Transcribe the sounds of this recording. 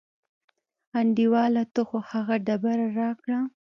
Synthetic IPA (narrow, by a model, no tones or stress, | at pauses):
aɳɖiwɑlat̪oxohaɣaɖabaɾaɾɑkɽa